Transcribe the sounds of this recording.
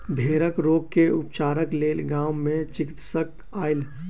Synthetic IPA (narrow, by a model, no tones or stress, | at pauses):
bʱeːɾəkɾoːɡ̚keʊpt͡ʃaːɾəkleːlɡãːʊmẽt͡ʃɪkɪt̪sək | aːɪl